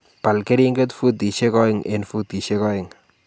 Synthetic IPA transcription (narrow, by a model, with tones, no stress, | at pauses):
pa˨lke˦ɾi˦ŋɡe˦tfu˦t̪i˨ʃe˦kɔ˦ɪ˦ŋḛ˨nfu˦t̪i˨ʃe˦kɔ˦ɪ˨ŋ